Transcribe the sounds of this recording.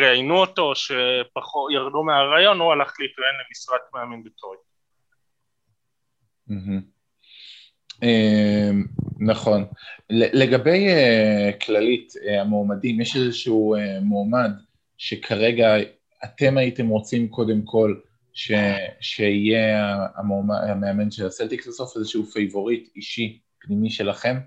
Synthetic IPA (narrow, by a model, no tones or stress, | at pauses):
ʁeajnuoto̞ʃepaχotjaʁdumeaʁajo̞nhualaχleitʁaenlemisʁatmeamimbetʰoj | m̩ɦm̩ | emnaχo̞nlele̞ɡabe̞jekʰlaliteamoːmadimjɛʃezɛʃuuemoːmad | ʃe̞kʰaʁe̞ɡa | ate̞maite̞mʁo̞t͡simko̞de̞mkʰo̞l | ʃeʃeijeaamoma̰meame̞nʃelaselt̪iklasofezeʃeufejvo̞ʁitiʃi | pnimiʃe̞laχe̞m